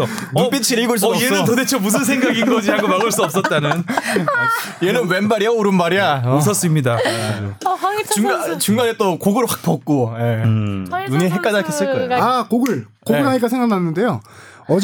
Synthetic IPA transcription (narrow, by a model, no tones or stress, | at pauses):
dip͈it͡ɕʰiɾɡoɭs̬eɯntodet͡ɕʰʌmus̬ʰɯnsʰe̞ŋɡaɡiɡʌd͡ʑiaɡomaɡɯɭs͈uʌp̚s͈ʌt̚t͈anɯn | jenɯnwenbaɾijʌoɾɯnmaɾijaus̬ʰʌs͈ɯmɲidad͡ʑot͡ɕuŋat͡ɕuŋɡanet͈okoɡɯɾwak̚p͈ʌk̚k͈oje̞ | noniɦek͈adakʰes͈ɯɭk͈ʌeoakoɡɯɭ | koɯnɦaɲik͈asʰeŋɡananːɯnde̞jo | ʌd͡ʑ